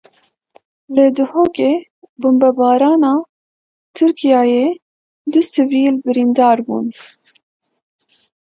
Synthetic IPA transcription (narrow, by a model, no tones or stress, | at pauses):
lɨd̪ɨhoːkeː | bʊmbɛbɑːɾɑːnɑː | t̪ʰɨɾkʰijɑːjeː | d̪ʊsɨviːlbɨɾind̪ɑːɾbṵːn